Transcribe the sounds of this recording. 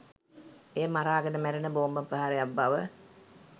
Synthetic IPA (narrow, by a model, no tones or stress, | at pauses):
eːmaɾaːɡənəmæɾenəboːmbəpəɦaɾejabːaʋə